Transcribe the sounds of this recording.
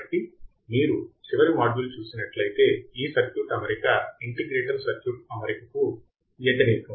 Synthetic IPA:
ʈːi | miːɾut͡ʃiʋɐɾimaːd͡ʒulut͡ʃuːsinɐʈlɐjit̪e̞ːiːsɐɾkjuːʈɐmɐɾikɐiɳʈiɡɾeːʈɐɾsɐɾkjuːʈ̚ɐmɐɾikɐku | jɛt̪ɐniːkɐ

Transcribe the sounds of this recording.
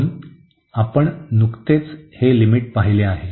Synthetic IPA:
n | apəɳnukt̪et͡shelimiːʈ̚paɦileaɦe

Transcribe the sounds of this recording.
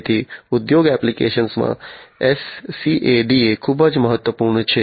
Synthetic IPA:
t̪ʰiʊd̪joɡɛplikḛʃənsmã̰esːiʔeɖiekʰubəd͡ʒməɦət̪ːʋəpuɾɳt͡ʃʰe

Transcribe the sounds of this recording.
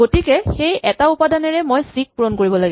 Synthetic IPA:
ɡotikɛxejɛtaupadanɛɹɛmojsik̚puɹɔnkoɹibɔlaɡɛ

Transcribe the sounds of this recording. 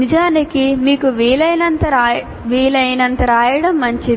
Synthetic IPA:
nid͡ʒaːnikimiːkuʋiːlɐjnɐnt̪ɐɾ | ʋiːlɐjnɐnt̪ɐɾaːjɐɽɐmːɐɲt͡ʃii

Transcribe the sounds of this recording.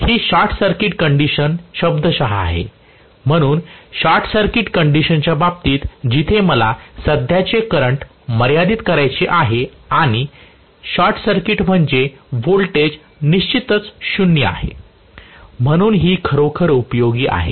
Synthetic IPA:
hiːɕaɾʈʰsəɾkiʈkəɳɖiɕənɕəbd̪əɕaɦa̰ːɦḛ | m̤əɽ̃uːnɕaɾʈʰsəɾkiʈkəɳɖiɕənt͡ɕjabab̚t̪iːt̪d͡ʑit̪ʰeməlasəd̪ʱjat͡ɕekəɾəɳʈ | məɾjad̪iːt̪kəɾajt͡ɕeʔaɦeaɽ̃i | ɕaɾʈʰsəɾkiʈm̤əɳd͡ʑebolʈed͡ʑ | niɕt͡ɕit̪ət͡sɕunjəa̰ɦḛ | m̤əɽ̃uːnɦiːkʰəɾokʰəɾupjoɡiːʔa̰ɦḛ

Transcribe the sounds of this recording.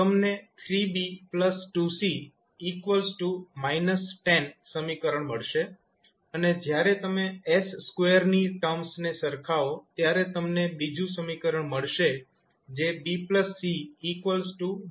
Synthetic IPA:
t̪əmnet̪ʰɾibipləsʈusiː | kʋəlsʈumainəsʈenːəmikəɾəɳməɭʃe | əned͡ʒjaɾet̪əmeesːkʋejəɾniʈəmsnesəɾkʰaot̪jaɾet̪əmnebid͡ʒũsəmikəɾəɳməɭʃe | d͡ʒebipləsːiːkʋəlsʈu

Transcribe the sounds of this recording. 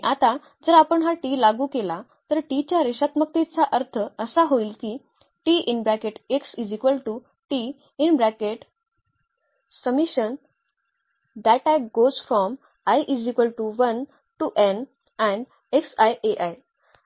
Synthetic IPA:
iʔat̪a | d͡zəɾapəɳɦaʈilaɡuːkela | t̪əɾʈit͡ɕjaɾeɕat̪mək̚t̪it͡saʔəɾt̪ʰəəsaɦoiːlkiː | ʈiinbɾækeʈeksid͡ʑikʋəlʈu | ʈiː | nbɾækeʈ | səmiɕən | d̪ɛʈajɡozfɾɔm | ajʔid͡ʑikʋəlʈuʋən | ʈuʔẽn | ɛ̃ɳɖ | eksajʔeʔaj

